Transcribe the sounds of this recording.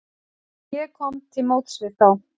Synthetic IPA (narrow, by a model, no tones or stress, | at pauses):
jɛkʰɔmt̪ʰɪlmoːwt̪svɪθaw